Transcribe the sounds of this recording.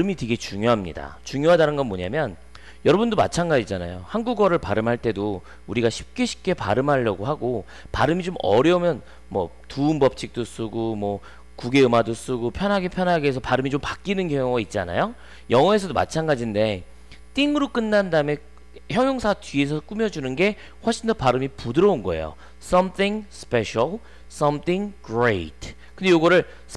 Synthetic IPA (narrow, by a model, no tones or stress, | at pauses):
ɾɯmiteɡe̞t͡ɕuŋjoɦamɲḭda̰t͡ɕuŋjoɦadanɯnɡʌnmoɲa̰mjʌn | jʌɾʌbundoma̰t͡ɕʰanɡad͡ʑid͡ʑana̰johanɡuɡʌɾɯɭpaɾɯmɦaɭt͈e̞do | uɾiɡaɕʰi̥p̚k͈e̞ɕʰi̥p̚k͈e̞pa̰ɾɯmɦaʎːʌɡoɦaɡo | paɾɯmit͡ɕomʌ̰ɾjʌumjʌn | mwʌ | tuːnbʌp̚t͡ɕ͈ʰik̚t͈os͈ɯɡomwʌ | kuɡe̞ɯmados͈ɯɡopʰjʌnɦaɡepʰjʌnɦaɡeesʰʌpaɾɯmit͡ɕompak͈inɯnkjʌŋoɡait̚t͡ɕ͈a̰na̰jo | jʌŋʌe̞sʰʌdoma̰t͡ɕʰanɡad͡ʑinde̞ | t͈iŋɯɾok͈ɯnːandame | çjʌŋjoŋsʰatɥie̞sʰʌk͈umjʌd͡ʑunɯnɡe̞ | ɸwʌɭɕ͈ʰindʌpaɾɯmipudɯɾʌunɡʌe̞̰jo̰ | s͈ʌmθʰiŋspeɕal | s͈ʌmθʰiŋɡɾetʰ | k͈ɯndejoɡʌɾɯɭ